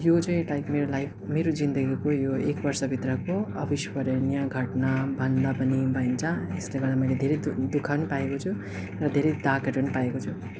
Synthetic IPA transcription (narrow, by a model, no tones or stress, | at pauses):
jot͡sʌĩlajkmeɾolajpʰmeɾod͡zind̪ʌɡikojoekbʌrsʌbʱit̪rʌkoʌbiswʌɾenjaɡʱʌʈnabʱʌnd̪apʌnibaint͡sʰʌesleɡʌɾd̪amʌjled̪ʱeɾʌjd̪ukʰawnipaekot͡sʰu | rʌd̪ʱeɾʌjd̪akʌʈawnipaekot͡sʰu